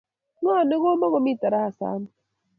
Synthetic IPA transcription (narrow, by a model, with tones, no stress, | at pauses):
ŋɔ˦˨ne˦ɣo˦mɔ˦ɣɔ˨mi˦˨ta˨ɾa˦ha˨sa̰˨˦n˨